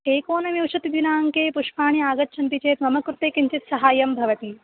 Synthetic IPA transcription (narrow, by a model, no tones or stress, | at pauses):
eːkoːnɐʋiwʃɐt̪id̪inaːŋkeːpuʂpaːɳ̃iaːɡɐtːʃʰɐnt̪it͡ʃeːt̪mɐmɐkɾut̪eːkiɲt͡ʃit̪sɐɦaːjɐmbʱɐʋɐt̪i